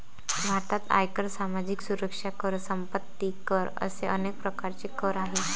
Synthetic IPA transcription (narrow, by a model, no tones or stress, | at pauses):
bʱaɾt̪at̪a̰jkəɾsamad͡ʑiksuɾəkʂakəɾsəmpət̪ːikəɾə̰seənek̚pɾəkaɾt͡ɕekəɾaɦe